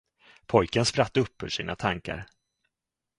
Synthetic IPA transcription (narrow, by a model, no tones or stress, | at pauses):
pʰɔjkənspɾat̪ːɵpːhɵʂiːnat̪ʰaŋka̰ɾ